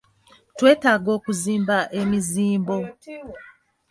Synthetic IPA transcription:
twe̞ːtaːɡo̞ːkuziːmbaʔemiziːmbo̞

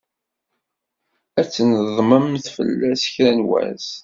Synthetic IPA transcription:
æt͡sːnəðˤməmθfə̰lːæsə̥çɾænwæ̰s

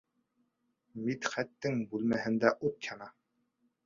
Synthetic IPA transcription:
mit̪χæt̪ːɘŋbʉlmæhɘ̆nd̪æʔut̪̚jɑnɑ

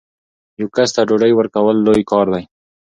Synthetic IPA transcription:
jawkast̪aɖoɖajwəɾkawəlːojkɑɾd̪aj

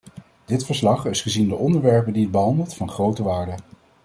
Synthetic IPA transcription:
d̥ɪtfəɹslɑχɪsχəzindəʔɔndəɹʋɛɹpəndiəd̚bəɦɑndəlˠtfɑnχrowtəʋaːɹdə

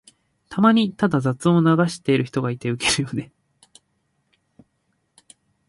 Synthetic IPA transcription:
t̪ʰamaɲ̟it̪ad̪azat͡sɨo̞naɡaɕi̥t̪e̞iɾɯ̟çi̥t̪o̞ɡait̪e̞ɯ̟ke̞ɾɯ̟jo̞ne̞

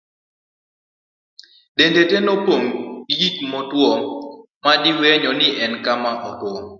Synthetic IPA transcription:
dendetenɔpoŋjikmɔtwɔ | madɪweɲɔnɪʔɛnkamaʔɔtwɔ

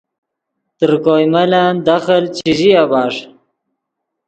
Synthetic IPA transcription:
t̪əɾkojmaland̪axəlt͡ɕiʑiabɑːʂ

